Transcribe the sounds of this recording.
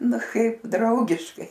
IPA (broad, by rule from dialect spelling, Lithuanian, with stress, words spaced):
ˈnʊ ˈkɐɪp ˈdrɐʊɡʲɪʃkɐɪ